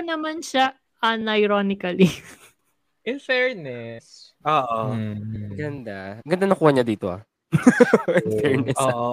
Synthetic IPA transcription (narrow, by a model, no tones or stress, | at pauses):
nɐmanʃa | ʔɐnɐjɾonɪkɐli | ʔɪnfɛɹnɛs | ʔoːʔo | ɡɐnd̪aɡɐnd̪anɐkuːhɐɲɐd̪iːt̪oha̰ | ɪnfɛɹnɛoʔ